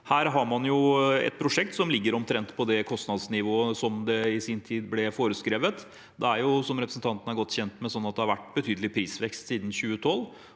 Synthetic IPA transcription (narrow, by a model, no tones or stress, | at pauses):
hæːɾɦɑɾmɑnjʊɛ̰t̪̚pʰɾʊʂɛk̚t̪sɔmlɪɡːəɾɔmt̪ʰɾɛnt̪pʰɔd̪ɛkʰɔst̪nɑd̪snɪʋoːəsɔmd̪ɛɪsiːnt̪ʰiːd̪blɛfoːɾəskɾeːʋət̪ | d̪ɛæɾjʊsɔmɾɛpɾəsn̩t̪ʰɑnt̪n̩ɑɾɡɔt̪ːɕçɛnt̪mɛsɔnːɑt̪̚d̪ɛhɑɾʋæʈːbət̪ʰyːd̪əlɪpʰɾiːsʋɛkst̪siːd̪n̩ɕʉːət̪ʰɔlː